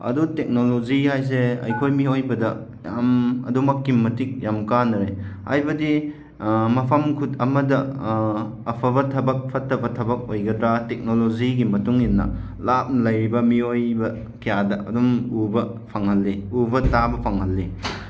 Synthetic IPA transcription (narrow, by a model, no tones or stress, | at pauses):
ɐ̰dutek̚nolozihajs̬eɐ̰jkʰojmiojbɐdɐ | jamɐ̰dumɐkːimːɐtik̚jamkanɐɾeha̰jbɐdi | mɐpʰɐmkʰutɐmɐdɐː | pʰɐbɐtʰɐbɐk̚pʰɐtʰːɐbɐtʰɐbɐk̚ojɡɐdɾatek̚noloziɡimɐtuŋinːɐ̰ | lap̚nɐlɐjɾibɐmiojbɐ | kʰijadɐʔɐ̰dumubɐpʰɐŋhɐlːiubɐtabɐpʰɐŋɦɐlːi